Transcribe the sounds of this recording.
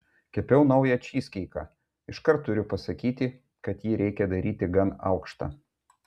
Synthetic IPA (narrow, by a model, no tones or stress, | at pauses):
kʲɛpʲɛʊnɒʊjɛt͡ʃʲiːsʲkʲɛɪkɑ̰ː | ɪʃkɐɾt̪ːʊɾʲʊpɐsɐkʲiːt̪ʲɪ | kɐt̪jiːɾʲɛɪkʲɛd̪ɐɾʲʔiːt̪ʲɪɡɐnɐ̰ʊkʃt̪ɑ̰ː